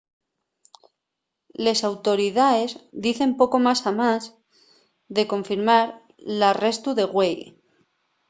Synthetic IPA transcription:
le̞sawt̪o̞ɾiðae̞zd̪iθe̞mpo̞ko̞masamaz | ðe̞ko̞ɱfiɾmaɾ | lare̞st̪uðe̞ɣwe̞j

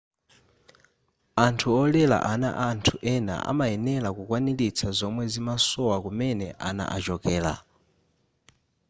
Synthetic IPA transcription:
antʰuɔlɛla̰ʔana̰ʔantʰuʔɛna̰a̰maɛnɛlakukwanilit͡sʰazɔmwɛzimasɔwakumɛnɛʔana̰ʔa̰t͡ʃɔkɛːla̰

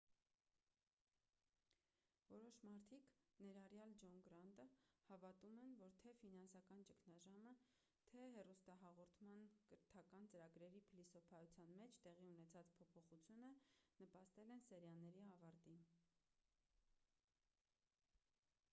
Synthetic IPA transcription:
vɔɾɔʃmɑɾt̪ʰiknɛɾɑrjɑld͡ʒɔnɡɾɑnt̪əhɑvɑt̪umɛnvɔɾt̪ʰɛfinɑnsɑkɑnt͡ʃəkʰnɑʒɑmə | t̪ʰɛɦɛrust̪ɑɦɑʁɔɾt̪ʰmɑnkəɾt̪ʰɑkɑnt͡səɾɑɡɾɛɾipʰilisɔpʰɑjut͡sʰjɑnmɛt͡ʃʰt̪ɛʁiunɛt͡sʰɑt͡spʰɔpʰɔχut͡sʰjunənəpɑst̪ɛlɛnsɛɾjɑnːɛɾiɑvɑɾt̪in

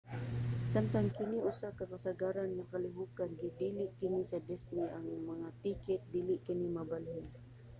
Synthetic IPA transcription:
samt̪aŋkɪniʔʊsakakasaɡaɾanːakalɪɦukanɡɪd̪iːlɪʔkɪnɪsad̪ɪst̪niʔaŋmaŋat̪ikɪt̪̚d̪iːlɪʔkɪnɪmabalhʊn

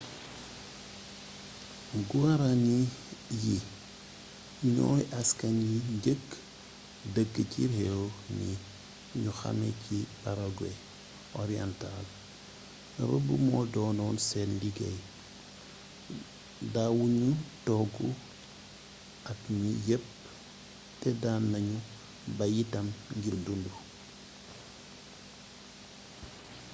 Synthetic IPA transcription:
ɡuaɾaniji | ɲɔ̰ːjʔaskɐɲjiɟəkː | dəɡːəcirewni | ɲuxɐ̰mɛ̰cipaɾaɡwe | ʔɔɾiɛntal | ɾəbumɔdɔːnɔnsɛnliɡɛj | dawuɲutɔɡu | ɐkmijep̚ | tɛdanːɐɲu | bɐjitɐmŋɡiɾdundu

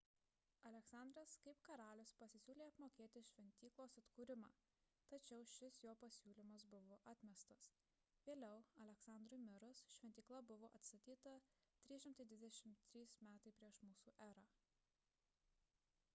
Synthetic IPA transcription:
ɐlʲɛksɑˑnd̪ɾɐskɐɪpkɐɾɑːlʲʊspɐsʲɪsʲuːlʲeːɐpmoːkʲeːt̪ʲɪʃʲʋʲɛnʲt̪ʲiːklˠoːsɐt̪kuːɾʲɪmɑ̰ː | t̪ɐt͡ʃʲɛʊʃʲɪsjoːpɐsʲuːlʲiːmɐs̬bʊʋoːʔɑːt̪ʲmʲɛst̪ɐs | ʋʲeːlʲɛʊɐlʲɛksɑˑnd̪ɾʊjmʲɪɾʊsʃʲʋʲɛnʲt̪ʲiːklˠɐbʊʋoːʔɐt̪st̪ɐt̪ʲiːt̪ɐt̪ʲɾʲiːsʃʲɪmt̪ɐɪd̪ʋʲɪd̪ʲɛʃʲɪmt̪ʲːɾʲiːsmʲæːt̪ɐɪpʲɾʲiɛʃmuːsuːʔæːɾɑː

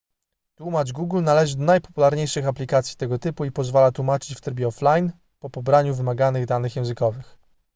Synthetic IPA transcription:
t̪wumad͡ʐɡuɡlnalɛʐɘd̪ɔnajpɔpulaɾɲejʂɘxaplʲikat̪sʲji̥t̪ɛɡɔt̪ɘpuipɔzvalat̪wumat͡ʂɘ̥t͡ɕft̪ɾɘbʲɛɔflajn | pɔpɔbɾaɲuvɘmaɡanɘɣd̪anɘxjɛ̃w̃zɘkɔvɘx

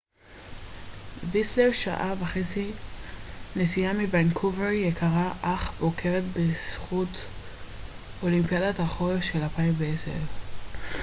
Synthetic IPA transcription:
visleʁʃa̰ʔavaχet͡si | nesijamivankʰuveʁjekʰaʁaʔaχbokʰe̞ʁetbesχut | o̞limpijadathaχoeʃelalpaimveesḛʁ

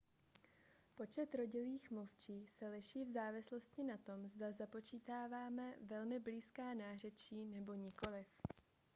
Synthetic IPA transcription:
po̞t͡ʃɛt̪ɾo̞ɟɪliːxmluft͡ʃiːsɛlɪʃiːvzaːvɪslo̞st̪cɪnat̪o̞mzdazapo̞t͡ʃiːt̪aːvaːmɛvɛlmɪbliːskaːnaːr̝ɛt͡ʃiːnɛbo̞ɲɪko̞lɪf

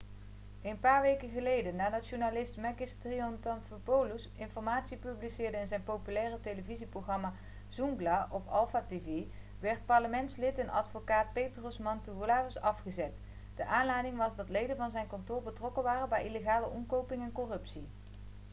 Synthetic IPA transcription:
enpaːɹʋejkəχəlejdənaːdɑtʃunalɪstmɛkɪstriɔntɑnfəpowlusɪnfɔɹmaːtsipyblisɪːɹdəɪnzɛjnpowpylɛːrətejləviziprowχrɑmaː | z̥uŋɡlaʔɔpɑ̰lˠfaːteve | ʋɛɹt̚pɑɹləmɛntslɪtɛnʔɑ̰dfokaːt̚pejtrosmɑntuʋolaːvɪsɑfχəzɛt | d̥əʔaːnlɛjdɪŋʋɑzdɑtlejdənvɑnzɛjnkɑntʊːɹbətrɔkəʋaːrəbɛjʔileχaːləʔɔmkowpɪŋɛnkɔrɵpsi

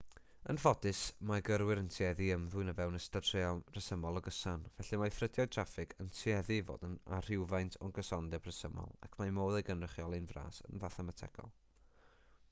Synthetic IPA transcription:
ə̰nfɔdɨsmaɡəɾwɪɾəntʰiɛðiəmðʊɨnəvɛwnəstadʰr̥eɔrəsəmɔlˠɔɡəsanvɛɬimafrədjɔtʰrafɪɡʰəntʰiɛðivo̰ːdənar̥ɪwvajntʰɔɡəsɔndɛb̥rəsəmɔ̰lˠa̰kʰmamoːðɛɡənrəχjɔlˠɨnvra̰ːsə̰nvaθamatʰɛ̰ɡ̥ɔ̰lˠ

